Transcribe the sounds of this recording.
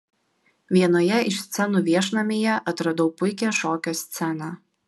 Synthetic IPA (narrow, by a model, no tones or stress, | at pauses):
ʋʲiɛnoːjɛɪʃsʲt̪sʲɛnuːʋʲiɛʃnɐmʲeːjɛʔɐt̪ɾɐd̪ɔʊpʊɪkʲɛʃoːkʲoːsʲt̪sʲɛnɑ